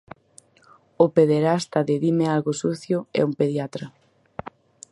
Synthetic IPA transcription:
ʊpeðeɾast̪aðeðimɪalɣosuθjʊɛ̰umpeðjat̪ɾɐ

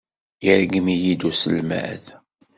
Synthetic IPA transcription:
jiɾɡmijid̪usə̰lmæ̰ð

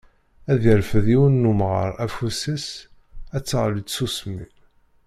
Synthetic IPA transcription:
æðəɾfəðiwənːumʁə̰ɾˤæfusis | æt͡sːəʁlit͡ssusmḭ

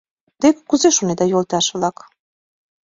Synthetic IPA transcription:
d̪ekkuzeʃuned̪ɑjolˠt̪ɑʃɯlˠɑk

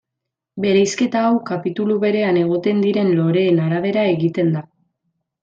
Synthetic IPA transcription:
be̞ɾejske̞t̪aːwkapit̪uluβe̞ɾe̞ane̞ɣ̞o̞t̪e̞nd̪iɾe̞nlo̞ɾe̞ːnaɾaβ̞e̞ɾae̞ɣit̪e̞nd̪a

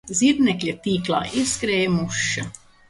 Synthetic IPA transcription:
ziɾnʲɛklʲat̪iːklˠa̰ːʔiskɾɛːjmuʃːɐ

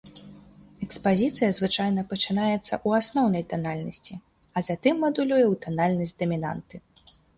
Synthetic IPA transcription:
ɛkspazʲit̪sɨjɐzvɨt͡ʂajnɐpɐt͡ʂɨnajɛt̪sːɐ̰ʔuasnɔwnɐjt̪analʲnɐsʲt͡sʲi | ɐzat̪ɨmːɐd̪ulʲujɛwt̪analʲnɐsʲtʲd̪ɐmʲina̰nt̪ɨ

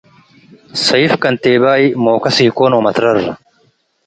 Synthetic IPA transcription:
sɐjfkɐnt̪eːbaːimoːkɐsiːkoːnoːmɐt̪ɾɐrːɐ

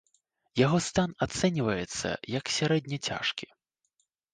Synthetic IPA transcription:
jaɣɔst̪anat̪sɛnʲivɐjɛt̪sːɐ̰jɐksʲaɾɛd̪ʲnʲɐt͡sʲa̰ʂkʲi̥

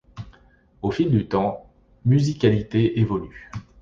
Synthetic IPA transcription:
ofild̪yt̪ɑ̃ | myzikʲalit̪eevɔly

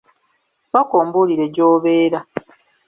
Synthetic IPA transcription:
sokoːmbuliɾe̞ɟoːβe̞ːɾa

